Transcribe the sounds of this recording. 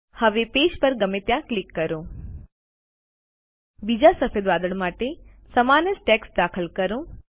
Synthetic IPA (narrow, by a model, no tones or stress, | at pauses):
həʋeped͡ʒpəɾɡəmet̪jãklikːəɾõ | bid͡ʒasəfed̪ʋad̪əɭmaʈe | səmanəsʈeksd̪akʰəlkəɾõ